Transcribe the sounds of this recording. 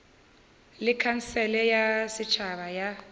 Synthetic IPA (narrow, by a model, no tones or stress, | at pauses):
lɪkʰansɛlɛjasit͡ʃʰaβaja